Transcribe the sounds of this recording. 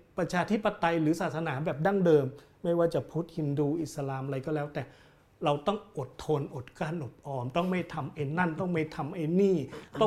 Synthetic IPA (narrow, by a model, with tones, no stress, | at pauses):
pɾa˧t͡ɕʰaː˧t̪ʰi˦˥˩pːa˧t̪a˧jɾɯː˩˦saː˨˩sa˧naː˩˦bɛː˨˩p̚da˥˩ŋdɤː˧mː | a˥˩jwaː˥˩t͡ɕa˨˩pʰu˦˥˩t̪̚hi˧nduː˧ʔi˨˩t̪̚sa˧laː˧m˧ɾa˧jkɔː˥˩lɛː˦˥wt̪ɛː˨˩ | ɾa˧wt̪ɔ˥˩ŋʔo˨˩t̪ʰːo˧nʔo˨˩t̪̚kaː˧˥˩nʔo˨˩t̪̚ʔɔː˧mt̪ɔ˥˩ŋma˥˩jt̪ʰa˧mʔa˧jna˥˩nt̪ɔ˥˩ŋma˥˩jt̪ʰa˧mʔa˧jniː˥˩t̪ɔ˥˩